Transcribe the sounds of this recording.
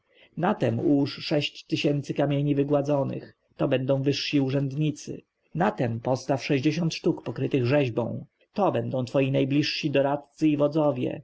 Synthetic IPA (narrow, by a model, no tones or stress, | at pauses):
nat̪ɛmuʂʂɛɕt͡ɕt̪ːɘɕɛnt̪sɘkamʲjeɲivɘɡwad̪zɔnɘ̰x | t̪ɔbɛnd̪ɔ̃w̃vɘʂɕiuʐɛnd̪ɲit̪sɘ̰ | nat̪ɛmpɔst̪afʂɛʑd͡ʑeɕɔnt̪ʂt̪ukpɔkɾɘt̪ɘɣʐɛʑbɔ̰̃w̃ | t̪ɔbɛnd̪ɔ̃w̃t̪fɔjinajblʲiʂɕid̪ɔɾat̪t̪sɘivɔd̪zɔvʲjɛ̰